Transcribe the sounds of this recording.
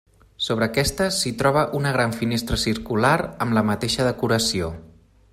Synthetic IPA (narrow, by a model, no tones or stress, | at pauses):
soβ̞ɾəːkɛst̪əsit̪ɾɔβ̞əʔunəɣ̞ɾaɱfinest̪ɾəsiɾkulaɾəmləmət̪eʃəðəkuɾəsio